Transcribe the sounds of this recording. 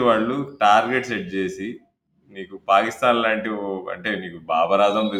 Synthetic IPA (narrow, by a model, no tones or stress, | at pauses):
iʋaːɭːuʈaːɾɡeʈseʈ̚d͡ʒe̞ːsi | miːkupaːkist̪aːnlaːɳʈioɐ̰ɳʈe̞ːmiːkubaːbɐɾaːd̪ɐmʋi